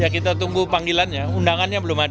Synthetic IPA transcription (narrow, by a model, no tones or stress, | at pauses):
jakit̪at̪uŋɡupaŋɡilanɲaundaŋanɲabəlʊmad